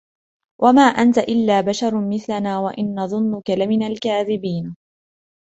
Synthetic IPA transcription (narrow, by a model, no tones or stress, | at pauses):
wʔamaːʔant̪aʔɪlːaːbaʃɑɾˤmɪθlanaːwaʔɪnːɑðˤʊnːʊkalɪmɪnalkaːðɪbiːn